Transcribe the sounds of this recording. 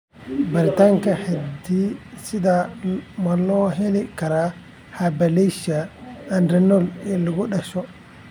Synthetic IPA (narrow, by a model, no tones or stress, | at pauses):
baɾit̪aŋkahedisid̪amalɔɦelikaɾa | habaleʃaːndɾɛnɔlɛluɡɔɗaʃɔ